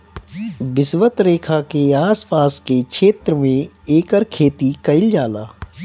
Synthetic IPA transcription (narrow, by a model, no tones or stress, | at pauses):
bɪsʋət̪ɾeːkʰakeaːspaːskekʃeːt̪ɾəmẽ | eːkəɾkʰeːt̪ikɐɪld͡ʒaːlaː